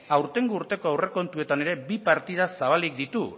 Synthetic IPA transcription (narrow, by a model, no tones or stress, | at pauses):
awɾt̪e̞ŋɡuːɾt̪e̞ko̞awre̞ko̞nt̪ue̞t̪ane̞ɾe̞bipaɾt̪ið̞asaβ̞alik̚d̪it̪u